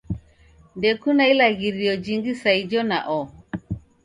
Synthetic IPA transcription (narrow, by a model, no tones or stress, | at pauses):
ndɛkunailaɣiɾiɔd͡ʒiŋɡisaid͡ʒɔna̰ʔɔ